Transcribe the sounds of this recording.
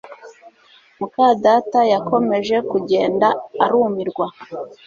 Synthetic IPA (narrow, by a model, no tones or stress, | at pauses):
mukadaːtajako̞me̞ʒe̞kuɟe̞ːndaaɾuːmiɾɡwa